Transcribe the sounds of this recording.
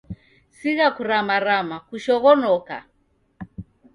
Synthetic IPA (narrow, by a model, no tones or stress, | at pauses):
siɣakuɾamaɾamakuʃɔɣɔnɔka̰